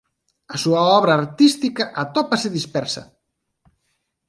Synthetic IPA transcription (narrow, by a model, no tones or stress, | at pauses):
ɐsuɐɔβɾaːɾt̪ist̪ikɐʔat̪ɔpaseðispɛɾsɐ̰